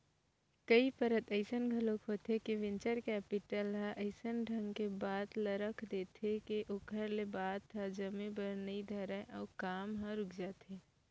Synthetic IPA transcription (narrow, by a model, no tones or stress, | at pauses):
kəipəɾət̪əɪsənɡʱəlõkɦoːt̪ɦekiʋɪ̃nt͡ʃəɾkɛːpɪʈəlɦãʔəɪsənɖʱə̃ŋɡkebaːt̪ləɾəkʰd̪eːt̪ʰekeʔʊkʰəɾlebaːt̪ãd͡ʒɐmẽbəɾnid̪ʱɐɾəʔɔːɾkaːmɦãɾʊkʰd͡ʒaːt̪eː